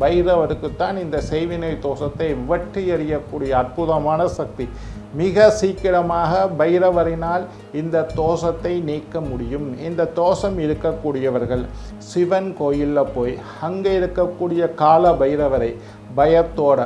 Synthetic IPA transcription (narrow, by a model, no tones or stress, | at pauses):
bɐjɪɾɐʋɐɾɯkːɯt̪ːaːnɪnd̪ɐsɛɪʋɪnɐɪt̪oːsɐt̪ːɐɪʋɪʋɐʈrɯɛɾɪjɐkːuːɽɪjɐːrpʊðɐmaːnɐsɐk̚t̪i | mɪɣɐsiːkːɪɾɐmaːɣɐbɐjɪɾɐʋɐɾɪnaːl | ɪnd̪ɐt̪oːsɐt̪ːɐɪniːkːɐmʊɽɪjɯmɪnd̪ɐt̪ːoːsɐmɪɾɯkːɐkːuːɽɪjɐʋɐɾɣɐɭ | sɪʋɐnkoːjɪlːɐpːoːjhɐŋɡɐɪɾɯkːɐkːuːɽɪjɐkaːlɐbɐjɪɾɐʋɐɾɐɪ | bɐjɐt̪ːoːɽɐ